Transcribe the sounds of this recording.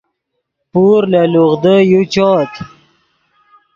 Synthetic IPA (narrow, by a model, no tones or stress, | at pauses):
puɾləluɣd̪əjut͡ɕɔt̪